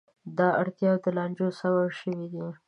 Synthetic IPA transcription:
d̪ɑaɽt̪jɑwd̪əlɑnd͡ʒosawawʃəwid̪i

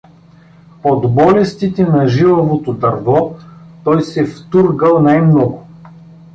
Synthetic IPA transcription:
pod̪bɔlɛst̪it̪ɛnɐʒivəvot̪od̪ɐɾvɔt̪ɔjsɛft̪uɾɡəlˠnajmnɔɡʊ

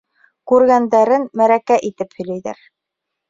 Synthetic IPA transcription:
kʉɾɡænd̪æɾɘnmæɾækæʔit̪ɘphɵ̆jlæjðæ̰ɾ

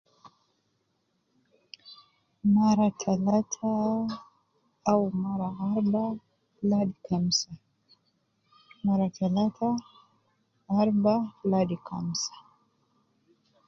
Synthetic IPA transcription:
maɾatʰalatʰa | wmaɾaaɾba | ladikamsa | maɾatalatʰa | aɾbaladika̰msḁ

